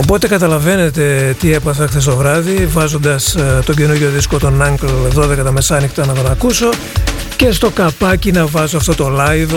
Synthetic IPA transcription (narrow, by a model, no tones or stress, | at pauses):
o̞po̞t̪e̞kɐt̪ɐlɐve̞ne̞t̪e̞t̪ie̞pɐθɐxθest̪o̞vɾɐðivɐzo̞nd̪ɐst̪o̞ɟe̞nuʝo̞ðisko̞t̪o̞nɐŋɡlðo̞ðe̞kɐt̪ɐme̞sɐnixt̪ɐnɐt̪o̞nɐkuso̞ | ce̞st̪o̞kɐpɐcinɐvɐzoɐft̪o̞t̪o̞lɐjð